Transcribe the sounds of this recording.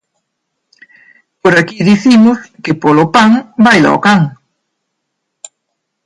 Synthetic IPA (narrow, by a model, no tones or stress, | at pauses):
poɾakiðiθimʊskepolʊpaŋbajla̰o̰kaŋ